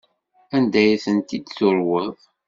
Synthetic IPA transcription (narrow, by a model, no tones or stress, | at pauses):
ænd̪æjiθənt̪id̪sʊɾwəðˤ